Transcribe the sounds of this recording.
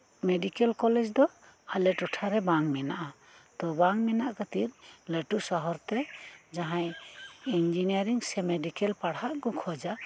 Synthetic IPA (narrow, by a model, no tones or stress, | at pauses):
meɖikɛlkɔlɛd͡ʒd̪ɔ | alɛʈɔʈʰaɾɛbaŋmɛnaʔa | t̪ɔbaŋmɛnaʔkət̪iɾ̚ləʈusɔɦɔɾt̪ɛd͡ʒaɦãjind͡ʒiniaɾiŋsɛmeɖikɛlpaɽaʔɡɔkʰɔd͡ʒa